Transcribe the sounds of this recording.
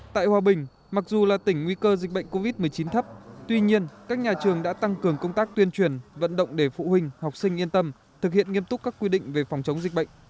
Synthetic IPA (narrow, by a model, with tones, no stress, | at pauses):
t̪a̰ː˧˨jhwaː˧˩ɓï˨˩ŋ̟ | ma˨˩k̚zu˨˩laː˨˩t̪ï˧˩ŋ̟ŋwi˧kəː˧zi˨˩k̟̚ɓə̰˧˨ŋ̟ko˧vi˦˥t̚mɨ˨˩əjt͡ɕi˨˦nt̪ʰə˦˥p̚t̪wi˧ɲi˧ənkaː˦˥k̚ɲaː˨˩t͡ɕɨ˨˩əŋɗa̰ː˧˥t̪a˧ŋkɨ˨˩əŋkə˧wŋ͡mt̪aː˦˥k̚t̪wi˧ənt͡ɕwi˨˩ənvə̰˧˨nɗə̰˧˨wŋ͡mɗe˧˩fṵ˧˨hï˧ŋ̟ha˨˩k͡p̚sï˧ŋʔi˧ənt̪ə˧m | t̪ʰɨ˨˩k̚hḭ˧˨ənŋi˧əmt̪ʊ˦˥k͡p̚kːaː˦˥kːwi˧ɗḭ̈˧˨ŋ̟ve˨˩fwŋ͡mt͡ɕə˨˦wŋ͡mzi˨˩k̟̚ɓə̰˧˨jŋ̟